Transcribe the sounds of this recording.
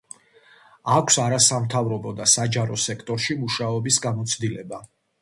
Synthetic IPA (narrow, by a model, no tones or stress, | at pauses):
akʷʰsaɾasamt̪ʰavɾɔbɔd̪asad͡ʒaɾɔsɛkʰt̪ʼɔɾʃimuʃaɔbisɡamɔt̪sʰd̪ilɛba